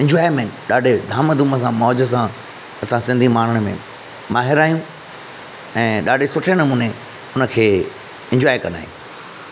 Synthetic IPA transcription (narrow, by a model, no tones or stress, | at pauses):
ɪ̃ɲd͡ʑwaːɪmẽnɗaːɖʱed̪ʱaːməd̪ʱũməs̬ãmɔːd͡ʑəs̬ã | ɐsãsɪ̃nd̪ʱimaːnəɽ̃mḛ̃ | maːɦɪɾaːijũ | ɛ̃ːɗaːɖʱesʊʈʰenɐmuːne | ʊnəkʰeː | ɪ̃ɲd͡ʑwaːjkɐna̰ːɦjṵ̃